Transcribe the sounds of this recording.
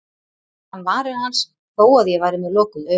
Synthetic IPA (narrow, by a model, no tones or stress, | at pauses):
hanːvaːɾɪhans | poːwaðjɛvaːjɾɪmɛðlɔːkʏðœ